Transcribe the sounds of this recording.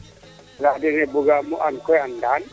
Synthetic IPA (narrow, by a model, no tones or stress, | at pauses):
ladɛnɛbʊɡamʊʔaŋ̩kʰɔjan̩dan